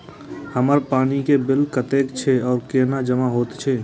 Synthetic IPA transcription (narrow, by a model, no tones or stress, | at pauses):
həməɾpaːnikebɪlkət̪eːkt͡ʃʰeɔːɾkeːnad͡ʒəmaɦoːt̪t͡ʃʰɛː